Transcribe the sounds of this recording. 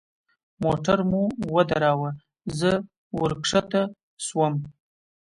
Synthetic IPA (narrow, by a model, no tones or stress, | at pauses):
moʈaɾmuwəd̪aɾɑwa | zə | wəɾkʂət̪a | swəm